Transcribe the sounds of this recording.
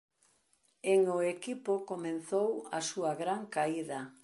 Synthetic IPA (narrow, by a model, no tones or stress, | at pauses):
eŋʊekipʊkomen̟θowɐsuɐɣɾaŋkaiðɐ